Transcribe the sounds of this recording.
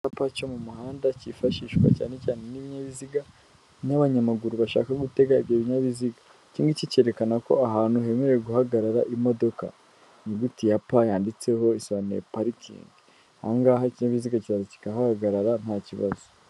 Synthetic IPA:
apacomumuhaːndacifaʃiːʃkwa̰ca̰ːne̞caːne̞niβiɲaβiziɡa | naβaɲamaɡuɾuβaʃa̰ːkaɡute̞ɡaiβjoːβiɲaβiziɡa | ciːŋɡicice̞ɾe̞kanako̞̰aɦaːn̥huɦe̞ːmeɾeeɡuhaɡaɾaɾaʔimo̞do̞ka̰ | niɡutijapajaːndit͡se̞ho̞isoβanḛḛpaɾikʰḭːŋɡi | ha̰ŋɡaɦaiciɲaβiziɡaciβazoci̥kaɦaɡaɡaɾaɾan̥haːciβa̰zo

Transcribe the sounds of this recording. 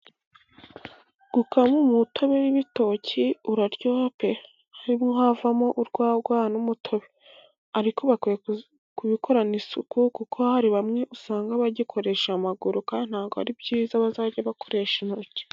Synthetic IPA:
ɡ̥ukamumutʰo̞βe̞wiβito̞cʰiuɾaɾɟope̞ | aɾimŋoɦavamo̞ʔuɾɡwaːɡwaːnumutʰo̞βe | aɾikʰo̞βakwije | kuβikʰo̞ɾanisukukukʰohaɾiβamŋe̞ʔusaːŋɡaβaɟikʰo̞ɾe̞ʃamaɡuɾukan̥haːɡoa̰ɾibɟiːzaβazaɟaβako̞ɾe̞ʃenuɾuce̥

